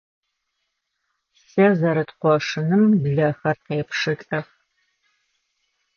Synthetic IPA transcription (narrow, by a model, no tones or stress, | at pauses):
sɐzɐɾɨtqʷɔʂɨnɨmbɮɐxɐrqeːpʂɨt͡ɬʼɐx